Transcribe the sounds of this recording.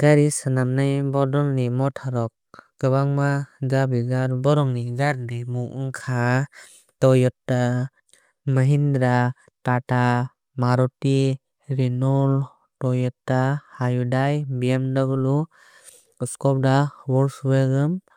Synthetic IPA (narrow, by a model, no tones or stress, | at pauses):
ɡ̥aɾisanamnajbɔdɔlnimɔtʰaɾɔk̚ | ɡɯβaŋmazabiɡaɾbɔɾɔŋniɡaɾdimuʔɯŋkʰa | tɔjɔtːa | məɦindɾa | tata | maɾɔti | ɾinɔl | tɔjɔtːahajudajbiamdaɡɯlu | ɔskɔp̚dabɔɾsubaɡɯm